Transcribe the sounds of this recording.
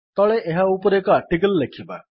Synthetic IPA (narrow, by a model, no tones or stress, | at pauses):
t̪ɔɭeʔeɦaupɔɾekɔaʈikəlːekʰiba